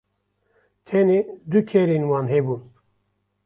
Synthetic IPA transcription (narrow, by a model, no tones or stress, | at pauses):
t̪ʰened̪ukʰeɾiːnwɑːnɦebuːn